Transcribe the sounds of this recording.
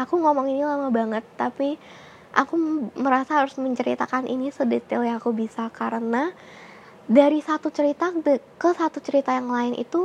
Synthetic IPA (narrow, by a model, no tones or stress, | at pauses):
akuŋomɔŋinilamabaŋət̪ːapi | ʔa̰kuməɾasaɦaɾʊsməɲt͡ʃəɾit̪akanʔḭnisədet̪ɪljaakubisakaɾəna | daɾisat̪ut͡ʃəɾit̪aəkəsat̪ut͡ʃəɾit̪ajaŋlaɪnʔḭt̪u